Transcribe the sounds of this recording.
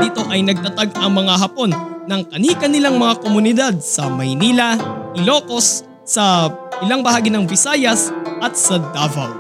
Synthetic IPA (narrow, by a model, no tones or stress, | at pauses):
d̪it̪o̞ʔɐjnɐɡ̚t̪ɐt̪aɡɐŋmɐŋaɦɐpo̞nːɐŋkɐniːkɐnɪlaŋmɐŋakomʊnɪd̪ad̪̚sɐmɐjniːlɐpɪlo̞ko̞sː | ɐʔɪlaŋbɐhaːɡinɐŋbɪsaːjɐsʔɐt̪̚sɐd̪avɐ̰w